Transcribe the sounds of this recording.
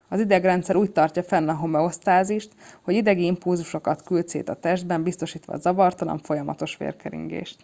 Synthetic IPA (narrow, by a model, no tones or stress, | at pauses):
ɒzid̪ɛɡrɛnt̪sɛɾuːc̚t̪ɒrcɒfɛnːɒɦo̞mɛo̞st̪aːziʃt̪ho̞ɟid̪ɛɡiimpulzuʃo̞kɒt̪kylt̪sḛːt̪ɒt̪ɛʒd̪bɛmbist̪o̞ʃiːt̪ʋɒ̰zɒvɒrt̪ɒlɒ̰ɱfo̞jɒmɒ̰t̪o̞ʃʋḛːrkɛɾḭŋɡḛːʃt̪